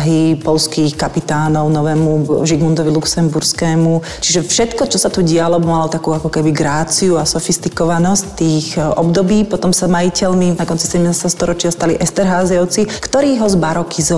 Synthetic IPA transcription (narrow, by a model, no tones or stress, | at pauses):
ɦipɔlskiːxkapit̪aːnɔʊnɔʋɛːmuʒiɡmund̪ɔʋiluksɛmbuɾskɛːmu | t͡ʃiʒɛfʃɛt̪kɔt͡ʃɔsat̪uɟɪalɔbɔmalɔt̪akuːakɔkɛbiɡɾaːt͡siuasɔfist̪ikɔʋanɔsct̪iːɣɔ̰bd̪ɔbiːpɔt̪ɔmsamajicɛlninakɔnt͡sisɛɟɛmnaːst̪ɛast̪ɔɾɔt͡ʃɪast̪aliʔɛst̪ɛɾɦaːzɔʊt͡sikt̪ɔɾiːɦɔzbaɾɔkʰiz